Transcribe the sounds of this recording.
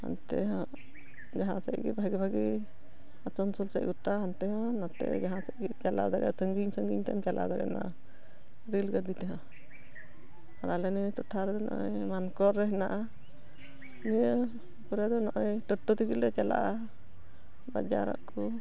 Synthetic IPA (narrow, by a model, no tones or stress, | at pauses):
ha̰nt̪ɛɦɔ̃ | d͡ʒaɦãsɛ̰ʔɡɛ̰bʱaɡibʱaɡi | at͡ʃɔnsɔlsɛ̰ʔɡuʈaɦant̪ɛɦɔ̃nat̪ɛ̰ʔd͡ʒaɦãsɛʔɡit͡ʃala̰d̪aɡa̰səŋɡiɲsəŋɡiɲt̪amt͡ʃalʔa̰d̪aɡa̰na̰ | ɾilɡəd̪it̪aɦã | aɾalɛnɛtɔʈʰːaɾɛd̪ɔnɔ̰ʔɔ̰jmankɔɾːɛɦɛnaʔa | niə | kɔɾad̪ɔnɔʔɔjtɔʈːɔt̪ikilɛt͡ʃɛla̰ʔa | ba̰d͡ʒa̰ɾa̰ʔkɔ